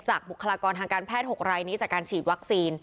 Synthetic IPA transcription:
t͡ɕaː˨˩k̚bu˨˩kʰa˧laː˧kɔː˧nt̪ʰaː˧ŋkaː˧npʰɛː˥˩t̪̚ho˨˩k̚ɾaː˧jniː˦˥t͡ɕaː˨˩kːaː˧nt͡ɕʰiː˨˩t̪̚wa˦˥k̚siː˧n

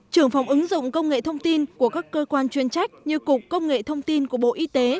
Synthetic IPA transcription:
t͡ɕɨ˨˩əŋfa˨˦wŋ͡mʔɨ˨˦ŋzʊ̰˧˨ŋ͡mkə˧wŋ͡mŋḛ˧˨t̪ʰə˧wŋ͡mt̪i˧nku˧˩əkaː˦˥kːəː˧kwaː˧nt͡ɕwi˨˦ənt͡ɕa˦˥jk̚ɲɨ˧kʊ˨˩k͡p̚ːə˧wŋ͡mŋḛ˧˨t̪ʰə˧wŋ͡mt̪i˧nku˧˩əɓo̰˧˨ʔi˧t̪e˨˦

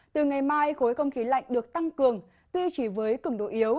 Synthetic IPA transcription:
t̪ɨ˨˩ŋa˨˩jmaː˧jxo˨˦jxə˧wŋ͡mxi˨˦la̰˧˨jŋ̟ɗɨ˨˩ək̚t̪a˧ŋkɨ˨˩əŋ | t̪wi˧t͡ɕi˧˩vəː˨˦jkɨ˧˩ŋɗo̰˧˨ʔi˨˦əw

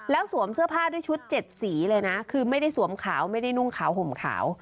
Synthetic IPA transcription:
lɛː˦˥wsu˨˩˦əmsɯ˥˩ɐpʰaː˥˩du˥˩əjt͡ɕʰu˦˥t̪̚t͡ɕe˨˩t̪̚siː˩˦lɤː˧jna˦˥kʰɯː˧ma˥˩jda˥˩jsu˩˦əmkʰa̰ː˩˦wma˥˩jda˥˩jnu˥˩ŋkʰaː˩˦wɦo˨˩˦mkʰa̰ː˩˦w

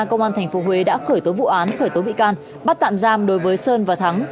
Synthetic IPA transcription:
kə˧wŋ͡mʔaː˧nt̪ʰɛ˨˩ŋ̟fo˨˦ɦwe˨˦ɗa̰ː˧˥xəː˧˩jt̪o˨˦vṵ˧˨ʔaː˨˦nxəː˧˩jt̪o˨˦ɓḭ˧˨kaː˧n | ɓa˦˥t̚t̪a̰ː˧˨mzaː˧mɗo˨˦jvəː˨˦jsəː˧nvaː˨˩t̪ʰa˨˦ŋ

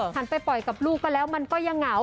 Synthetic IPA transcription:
pʰa˨˧˩npa˧jpɔ˨˩jka˨˩p̚luː˥˩kːɔː˥˩lɛː˦˥wma˧nkɔː˥˩ja˧ŋːa˩˦

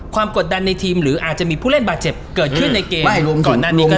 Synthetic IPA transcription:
kʰwaː˧mko˨˩t̪̚da˧nːa˧jt̪ʰiː˧mɾɯː˩˦ʔaː˨˩t̪̚t͡ɕa˨˩ʔmiː˧pʰuː˥˩le˥˩nbaː˨˩t̪̚t͡ɕe˨˩p̚kɤː˨˩t̪̚ʰɯ˥˩na˧jkeː˧ma˥˩o˧ɔː˨˩nːaː˥˩niː˧˩kːɔ˥˩

